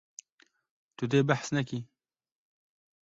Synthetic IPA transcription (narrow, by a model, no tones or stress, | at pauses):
t̪ud̪eːbaħsnɐki